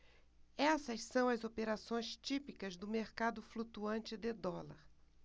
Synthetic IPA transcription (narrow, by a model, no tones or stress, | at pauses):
ɛsɐssɐ̃w̃ɐzopeɾasõj̃st͡ʃipikɐzd̪ʊmeɾkad̪ʊflut̪uɐ̃nt͡ʃɪd̪ɪd̪ɔlɐ̰ɾ